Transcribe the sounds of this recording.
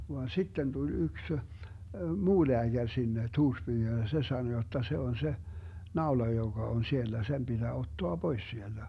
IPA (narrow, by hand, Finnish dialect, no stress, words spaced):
ʋɑn sitːen tul yks muː leæɡ̊ær sinːe tuːrspyːhyn jɑ se sɑno jotːɑ se on se nɑolɑ joɡ̊ɑ on sielːæ sem b̥id̥æː otːoɑ b̥ois sield̥æ